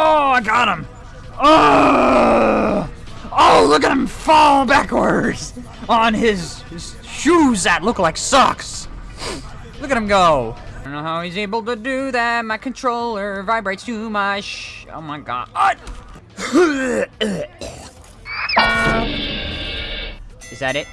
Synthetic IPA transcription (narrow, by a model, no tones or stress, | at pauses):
oʊaɪɡɑɾə̃m | o | oʊlʊkɨt̚ɨ̃ɱfɔlˠbækwə˞dz̥ | ən̩ɪz̥ | ʃuzðɨtˡlʊklaɪksɑ̰ks | lʊkɨɾɨ̃mɡoʊõnːoʊhaʊizeɪbl̩ˠtɨdɨðæt̚maɪkʰɨ̃n̩tʰɹ̥oʊlˠə˞vaɪbɹeɪtstʰʉmʌt͡ʃo̰ʊmaɪɡɑ̰ɾʌd | ɨzðɨɾɪt̚